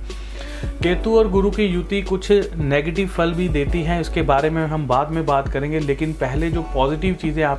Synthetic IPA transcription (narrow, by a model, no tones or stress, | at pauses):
keːt̪uɔːɾɡʊɾukijʊt̪ikʊt͡ʃʰneːɡeːʈɪʋfɐlbʱid̪eːt̪iɦɛ̃ʊskebaːɾemẽɦɐmbaːd̪mẽbaːt̪kɐɾẽːŋɡeleːkɪnpɛɦled͡ʒoːpɔːzɪʈɪʋt͡ʃiːzẽaːp